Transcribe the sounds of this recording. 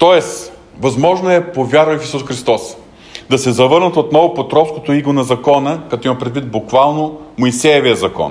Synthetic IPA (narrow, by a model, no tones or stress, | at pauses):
t̪ɔɛs | vɐzmɔʒnoɛpovʲjaɾɐjofisusxɾist̪ɔs | d̪ɐsɛzɐvɤɾnət̪ot̪nɔvʊpot̪ɾɔfskot̪oiɡonɐzɐkɔnəkɐt̪ɔimɐpɾɛd̪vit̪̚bʊkvalˠnomoisɛjoviəzɐkɔ̰n